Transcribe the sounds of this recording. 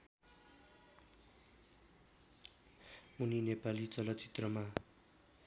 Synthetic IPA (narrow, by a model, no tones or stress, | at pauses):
uninepalit͡sʌlʌt̪t͡si̥t̪rʌma